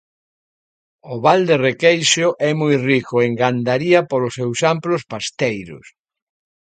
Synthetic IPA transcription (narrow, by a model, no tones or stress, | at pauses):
ʊβald̪erekejʃʊʔɛmujrikʊeŋɡand̪aɾiɐpolʊsewsamplʊspast̪ejɾʊ̰s